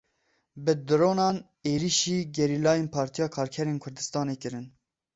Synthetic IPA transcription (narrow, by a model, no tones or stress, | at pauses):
bɨd̪ɨɾoːnɑːn | eːɾiʃiːɡɛɾiːlɑːjeːnpʰɑːɾt̪ijɑːkʰɑːɾkʰɛɾeːnkʰʊɾd̪ɨst̪ɑːneːkɨɾɨn